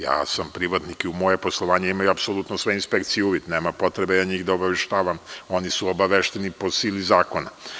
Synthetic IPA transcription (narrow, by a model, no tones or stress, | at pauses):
ja̰ːsampɾiʋat̪nikiumo̞jeposlˠo̞ʋaːɲeimajuapsolˠut̪nosʋeinspekt̪sijɛuːʋid̪neːmapo̞t̪ɾebejaɲiːɣd̪aobaʋeʃt̪aːʋamo̞nisuobaʋeʃt̪enipo̞siːlizaːko̞na̰